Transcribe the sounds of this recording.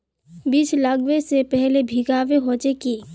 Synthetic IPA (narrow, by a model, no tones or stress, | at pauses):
biːt͡ʃlaːɡʋesepɛɦlebʱiɡaːʋeɦoːd͡ʒekiː